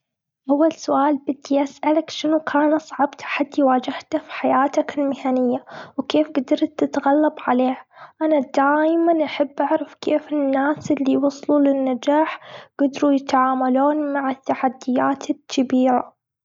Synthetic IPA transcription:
ʔawːalsʊʔaːlbɪd̪ːijasʔalakʃɪnukʰaːnʔɑsˤʕɑbt̪ʰḁħad̪ːiwaːd͡ʒɪht̪afiħajaːt̪akɪlmɪhanɪjːawkeːfɡad̪ɑɾˤt̪ːɪt̪ɣalːabʕaleːhʔanad̪aːjmanʔaħabːʔaʕɾafkʰeːfɪnːaːsʔɪlːiwɑsˤlulɪnːad͡ʒaːħɡ̥ad̪ɾujɪt̪ʕaːmaloːnmaʕɪt̪ːaħad̪ːɪjːaːt̪ʰɪkʰːabiːɾa̰

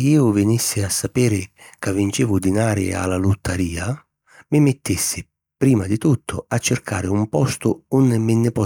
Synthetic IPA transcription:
iːʊvɪnisːɪasːapɛːɾɪkavːint͡ʃiːvʊd̪inaːɾɪ̰a̰lːalut̪ʰːaɾiːa | mɪmɪt̪ːisːɪ | pɾiːmad̪ɪt̪ut̪ʰːʊ̰at͡ʃːɪrkʰa̰ːɾɪumpɔst̪ʊunːɪmɪnːɪpɔ

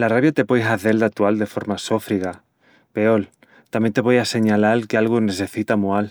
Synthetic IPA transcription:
laraβjat̪e̞pojɦaθe̞ld̪at̪uald̪e̞fo̞ɾmaso̞fɾiɣa | pe̞ol | t̪amjent̪e̞βojase̞ɲalalkealɣone̞θe̞θit̪amoal

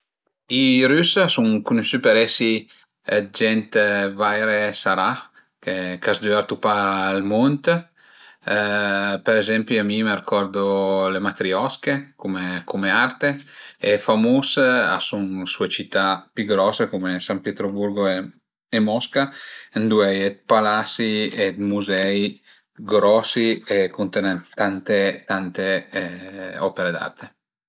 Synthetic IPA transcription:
iɾysasuŋkunuʃypeɾɛsi | d͡ʒɛnt̪vajɾesaɾa | kekasd̪yaɾt̪upaːlmont̪ | peɾezɛmpjiamimeɾikʰɔɾd̪olemat̪ɾiɔskekomekomeart̪eefamusa̰sunsuet͡ʃit̪ːapyɡɾɔsekomesampjet̪ɾobuɾɡoe | emɔskaend̪uɛjɛt̪̚palasiet̪muzɛi | ɡɾɔsiekunt̪ɛnɛnt̪ant̪et̪ant̪e | ɔpeɾed̪a̰rt̪e

